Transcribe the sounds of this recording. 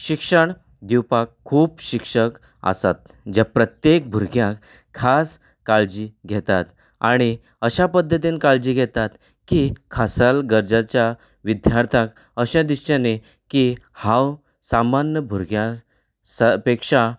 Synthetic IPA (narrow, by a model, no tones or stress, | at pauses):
ɕikʂəɳ | d̪iwpakʰːuːpɕikʂək | a̰sa̰t̪̚ | d͡ʑapɾət̪jek̚bʱuɾɡjãkʰː | as | kaɭd͡ʑiːɡʱɛt̪at̪ | aɽ̃i | əɕapəd̪ʱːət̪̬inkaɭd͡ʑiːɡʱɛt̪at̪ | kikʰasalɡəɾd͡zat͡ɕja | ʋid̪ʱjaɾt̪ʰãk | əɕãd̪iɕãne | kihãw | samanjəbʱuɾɡʱjã | sapekʂa